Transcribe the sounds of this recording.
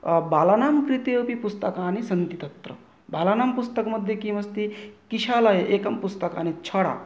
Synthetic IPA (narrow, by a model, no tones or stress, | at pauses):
baːlaːnaːmkɾit̪jepipust̪ɐkaːnisɐnt̪it̪ɐt̪ɾɐ̰ | baːlaːnaːmpust̪ɐkmɐd̪ʱjɐkimɐst̪ikiʃaːlɐjɐʔeːkɐmpust̪ɐka̰ːnit͡ʃʰɐɽa̰ː